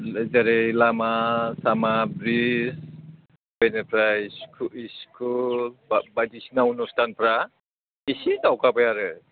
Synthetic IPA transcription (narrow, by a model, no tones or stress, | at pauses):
zaɾejlamasamabɾis | benɛpʰɾajskiskʰulbatisnaunɔstanpɾa | isitawkabajaɾɯ